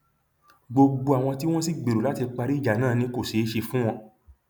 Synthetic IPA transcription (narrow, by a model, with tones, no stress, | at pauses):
ɡ͡bo˧ɡ͡bo˧a˨w̃ɔ̃˧t̬i˦w̃ɔ̃˦si˦ɡ͡be˨ɾo˨la˦ti˧k͡pa˧ɾi˦˨d͡ʒa˨nãː˦˨nĩ˧ko˦˨ʃe˨˦ʃe˧fũ˦w̃ɔ̃˧